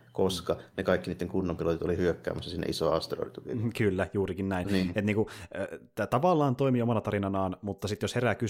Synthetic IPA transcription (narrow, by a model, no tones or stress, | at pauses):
koskɑnekɑˑikːiniːt̪ːeŋkunːompilot̪it̪olihyøkːæ̰ːmːˑæsːɑsinːḛʔisoɑst̪ero̰rḭt̪ukikylːæjuːrikinnæinnːet̪niːŋkuøt̪æt̪ɑʋɑlːɑːnt̪oimiomɑnɑt̪ɑɾinɑnɑːnmut̪ːɑsit̪josheræky